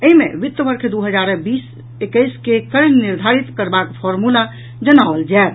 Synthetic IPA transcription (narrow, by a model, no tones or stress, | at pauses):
əɦimeʋit̪ːəʋəɾkʰd̪uɦəd͡ʒaɾbiːs | ekəɪskekəɾnniɾd̪ʱaɾit̪kəɾbakpʰɔɾmula | d͡ʒənaʋəld͡ʒat̪